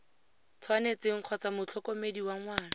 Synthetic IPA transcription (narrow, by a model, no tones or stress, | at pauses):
t͡sʰwanet͡sɪŋ̩q͡χʰɔt͡samʊt͡ɬʰɔkomediwaŋwaːna